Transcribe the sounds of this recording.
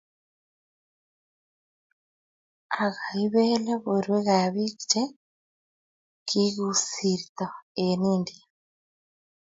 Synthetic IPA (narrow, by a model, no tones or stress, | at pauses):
aɣaiβeleβoɾweɣaβiki̥t͡ʃe | kʰiɣusiɾit̪oenindia